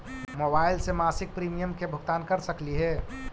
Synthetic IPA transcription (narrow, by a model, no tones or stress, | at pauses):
mobaːɪlsemaːsɪk̚pɾiːmijəmkebʱʊɡt̪aːnkəɾsəkliɦɛː